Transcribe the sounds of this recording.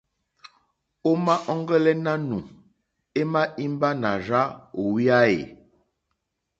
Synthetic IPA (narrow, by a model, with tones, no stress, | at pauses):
o˦ma˦ʔɔ˦ŋ˦ɡə˦lɛ˦na˦nu˨ | e˦ma˦i˦m˦ba˦na˨ʒa˦o˨wi˦a˦ḛ˨